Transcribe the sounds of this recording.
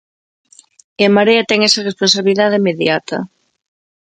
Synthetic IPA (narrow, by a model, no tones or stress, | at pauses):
emaɾeat̪ɛŋesaresponsaβiliðaðeimeðjat̪ɐ̰